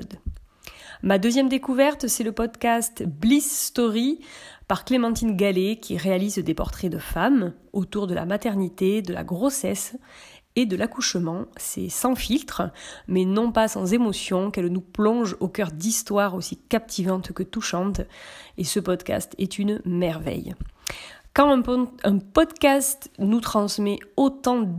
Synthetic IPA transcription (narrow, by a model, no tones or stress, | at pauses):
d̪ | mad̪øzjɛmd̪ekuvɛʁt̪sɛləpɔd̪kast̪blisːt̪ɔʁipaʁklemɑ̃t̪inɡalekʲʰiʁealizd̪epɔʁt̪χɛd̪əfam | ot̪uʁd̪əla̰mat̪ɛʁnit̪ed̪əla̰ɡʁosɛs | ed̪əlakuʃmɑ̃sɛ̰sɑ̃filt̪χəmɛnɔ̃pasɑ̃zemɔsjɔ̃kɛlnuplɔ̃ʒokœʁd̪ist̪waʁosikap̚t̪ʰivɑ̃t̪kət̪uʃɑ̃t̪esəpɔd̪ka̰st̪ɛt̪ʰynmɛʁvɛ̰j | kɑ̃ɛ̃pɔd̪kast̪nut̪χɑ̃smɛot̪ɑ̃